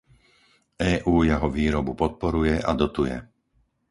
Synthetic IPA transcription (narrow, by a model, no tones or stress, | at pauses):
ɛːʔuːjɛɦɔʋiːɾɔbupɔt̪̚pɔɾujɛʔad̪ɔt̪ujɛ̰